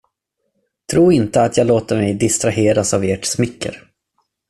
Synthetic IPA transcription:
t̪ʰɾuːɾɪnt̪əat̪ʰjɑːɡloːt̪əɾmɛjd̪ɪst̪ɾaɦeːɾasaveːʈsmɪkːə̰ɾ

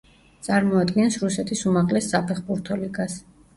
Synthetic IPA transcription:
t̪sʼaɾmɔad̪ɡɛnsɾusɛt̪ʰisumaʁlɛsːapʰɛχbuɾt̪ʰɔliɡas

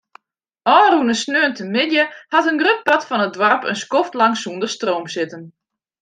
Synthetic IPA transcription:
ʔɔːrunəsnøːəntəmɪdjəhatənɡrøp̚patfɔnədwɔrpə̰nskoftlɑŋsuəndəstroːmsɪtən

